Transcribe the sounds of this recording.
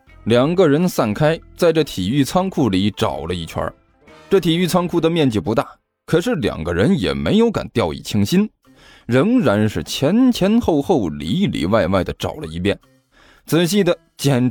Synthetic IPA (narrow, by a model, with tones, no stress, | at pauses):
ljɑ˨˩ŋɡə˧ɻə˧˥nsa˥˩nkʰa˥ɪt͡sa˥˧ɪʈ͡ʂɤ˥˩t̪ʰi˨˩y˥˩t͡sʰɑ˥ŋkʰu˥˩li˧˥˦ʈ͡ʂɑ̰˨˩ʊlə˦i˥˩t͡ɕʰwa̰˞˧˥ | ʈ͡ʂɤ˥˩t̪ʰi˨˩y˥˩t͡sʰɑ˥ŋkʰu˥˩d̪ə˩mjɛ˥˧nt͡ɕi˨˩pu˧˥t̪a˥˩ | kʰɤ˨˩ʂɻ̩˥˩ljɑ̰˨˩ŋɡə˦ɻə˧˥njɛ̰˨˩me˧˥ɪjo˧˥ʊka̰˨˩nt̪jɑ˥˧ʊḭ˥˩t͡ɕʰi˧˥ŋɕi˥n | ɻə˧˥ŋɻa˧˥nʂɻ̩˥˩t͡ɕʰjɛ˧˥nt͡ɕʰjɛ˧˥nxo˥˧ʊxo˥˩ʊli˧˥lḭ˨˩wa˥˧ɪwa˥˩ɪd̪ə˩ʈ͡ʂɑ̰˨˩ʊlə̰˦ḭ˧˥pjɛ˥˩n | t͡sɹ̩˨˩ɕ̬i˥˩d̪ə˩ | t͡ɕjɛ˨˩n